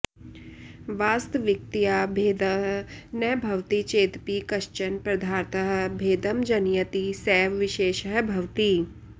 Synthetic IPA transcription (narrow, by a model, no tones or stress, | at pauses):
ʋaːst̪ʋɪk̚t̪ijaːbʱeːd̪əɦnəbʱɐʋt̪it͡ʃeːt̪pikɐʃt͡ʃənpɾɐd̪ʱaːɾt̪əɦbʱeːd̪əmd͡ʒɐnjət̪isɛːʋʋɪʃeːʃɦbʱɐʋt̪iː